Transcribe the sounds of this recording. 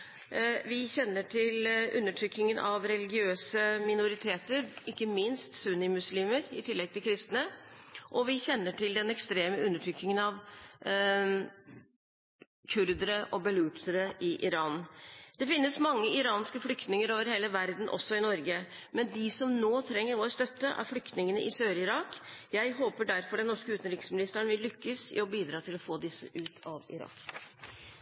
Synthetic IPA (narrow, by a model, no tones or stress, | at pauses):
ʋɪçɛnːəʈʰɪlʉ̰nːəʈʰɾʏkːnɪŋənʔɑ̰ʋɾɛlɪɡɪøːsəmɪnʊɾɪt̪ʰeːt̪əɾɪkːəmɪnst̪sʉnɪmʉsliːməɾɪt̪ʰɪlːɛɡ̚t̪ʰɪlkʰɾɪst̪nəʔɔʋɪçɛnːəʈʰɪld̪ɛnɛkst̪ɾeːməʉnːəʈʰɾʏkːnɪŋənɑʋ | kʰʉɾd̪əɾəʔɔbəlʉːt̪əɾəʔɪʔɪɾɑːnd̪̥ɛfɪnːəsmɑŋːəɪɾɑːnskəflʏkt̪nɪŋəɾoːʋəɾheːləʋæɾd̪n̩ʔɔ̰sːɔɪnɔɾɡə | mɛnd̪ɪsɔmnoːt̪ʰɾɛŋːəɾʋoːɾəst̪œt̪ːəʔæ̰ɾflʏkt̪nɪŋənəʔɪsøːɾəɪɾɑːkjæɪɦoːpəɖæɾfɔɖɛnːɔʂkəʉːt̪ənɾɪksmɪnɪst̪əɳʋɪlːʏkːəsɪ̰ɔbiːd̪ɾɑːt̪ʰɪlɔfoːd̪ɪsːə̰ʔʉːt̪ʰɑʋɪ̰ɾɑ̰ːk